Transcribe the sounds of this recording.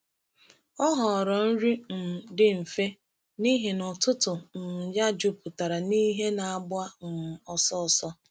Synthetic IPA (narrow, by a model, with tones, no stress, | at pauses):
ɔ˦ɦɔ˨ɾɔ˨n̩˦ɾi˦m̩˨dɪ˦m̩˨fe˦ | ni˦ɦe˨nɔ˨tʊ˦tʊ˨n̩˨ja˦d͡ʒu˦pʊ˨ta˨ɾa˨ni˦ɦe˦na˨a˦˨ɡ͡bʊ˦a˦m̩˨ɔ˨sɔ˦˨sɔ˦